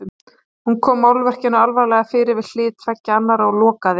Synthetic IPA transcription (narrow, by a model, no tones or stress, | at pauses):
ʏm | hunkʰɔːmːawlvɛr̥cɪnːʏalvaɾlɛɣafɪːɾɪɾvɪð̥l̥ɪːt̪vacːaanːaɾaɔlɔːkaðɪ